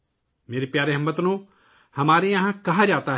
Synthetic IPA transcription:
meːɾepjaːɾeɦɐmːət̪nũː | hɐmaːɾijɐ̃ɦãkɐɦad͡ʒaːt̪aɦ

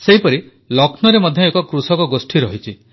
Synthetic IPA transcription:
seɦipɔɾi | lɔkʰnɔɾemɔd̪ʱjɔekɔkɾusɔkɔɡosʈʰiɾɔɦit͡ʃʰi

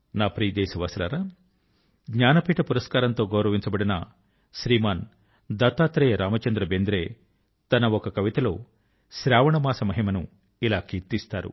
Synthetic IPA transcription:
naːpɾiːd̪eːʃɐʋɐsɐlɐ̰ɾa | ɡɲaːnɐpiːʈɐpuɾɐskaːɾɐnt̪o̞ːɡɐwɾɐʋiɲt͡ʃɐbɐɽinɐ̰ | ʃɾiːmaːn | d̪ɐt̪ːaːt̪ɾeːɾʔaːmɐt͡ʃɐnd̪ɾɐbend̪ɾeː | t̪ɐnɐɔkɐkɐʋit̪ɐlo̞ː | ʃɾaːʋɐɳɐmaːsɐmɐɦimɐnu | ilaːkiːɾt̪ist̪aːɾṵ

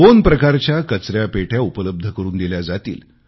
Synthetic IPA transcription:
onpɾəkaɾt͡ɕjakət͡sɾjapeʈʰjaupələb̚d̪ʱəkəɾuːnd̪eljad͡zat̪ḭːl

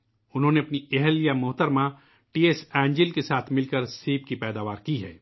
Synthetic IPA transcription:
ʊnɦõːneɐpnieɦəljamʊɦt̪əɾmã | ʈiːeːsɛ̃ːɲd͡ʒɪlkesaːt̪ʰmɪlkəɾsiːbkipɛːd̪aːʋaːɾkiɦɛ̰ː

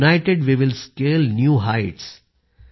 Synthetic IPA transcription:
naɪʈeɖʋiʋɪlskeːlnjuːɦaɪʈs

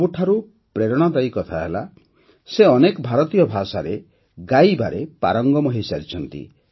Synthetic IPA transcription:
buʈʰaɾu | pɾeɾɔɽ̃ɔt̪aikɔt̪ʰaɦela | seɔnekɔbʱaɾɔt̪ijɔbʱasaɾe | ɡajba̰ɾepa̰ɾɔŋɡɔmɔɦisaɾit͡ʃʰɔnt̪ḭ

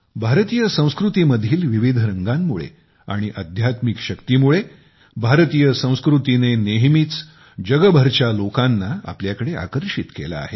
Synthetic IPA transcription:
bʱaɾt̪ijəsə̃w̃skɾut̪iməd̪ʱiːlʋiʋid̪ʱɾəŋɡamːuɭḛ | a̰ɽ̃iʔəd̪ʱjat̪mikɕəkt̪imuɭe | bʱaɾt̪iːjəsə̃w̃skɾut̪ineneɦmiːt͡s | d͡ʑəɡəbʱəɾt͡ɕalokanːaa̰pljakəɽeʔa̰kəɾɕit̪kela̰ːɦe

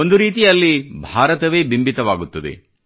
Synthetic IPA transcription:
ond̪uɾiːt̪ijɐlːibʱaːɾɐt̪ɐʋe̞ːbimbit̪ɐʋaːɡut̪ːɐd̪ḛ

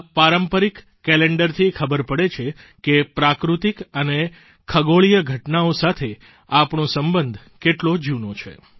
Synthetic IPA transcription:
paɾəmpəɾikːɛleɳɖəɾt̪ʰikʰəbəɾpəɽet͡ʃʰekepɾakɾut̪ikəne | kʰəɡoɭijəɡʱəʈnaosat̪ʰe | apɳõsəmbənd̪ʱ | keʈlod͡ʒunot͡ʃʰḛ

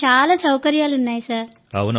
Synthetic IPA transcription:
aːlaːsɐwkɐɾjaːlunːaːjisaːɾ | pɐ̰ʋɐnɐ

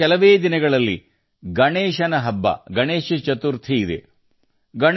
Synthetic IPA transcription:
ɛlɐʋeːd̪inɐɡɐɭɐlːḭ | ɡɐɳeːʃɐnɐɦɐbːɐ̰ɡɐɳeːʃɐt͡ʃɐt̪uɾt̪ʰiːd̪ḛ | ɡɐɳ

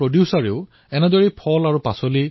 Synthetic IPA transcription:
ɹodjusaɹeʊ | ɛnɛdɔɹipʰɔlaɹupasoli

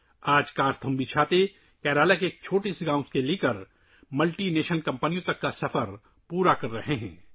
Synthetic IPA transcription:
aːd͡ʒkaːɾt̪ʰɐmbit͡ʃʰaːt̪e | kɛːɾaːlakeeːk̚t͡ʃʰoːʈisɡãːʊ̃skeliːkəɾ | mɐlʈineːʃənkɐ̃mpənijõt̪ɐkːasɐfəɾ | puːɾakɐɾːɐɦeɦɛ̰̃ː

